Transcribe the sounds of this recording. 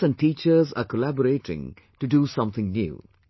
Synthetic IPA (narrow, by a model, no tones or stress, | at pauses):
æ̃nɖ̚ʈiːt͡ʃəza̰kəlæbəɾeːʈɪ̰̃ŋ | ʈuɖuːsʌ̃mt̪ɪ̃ŋnjṵː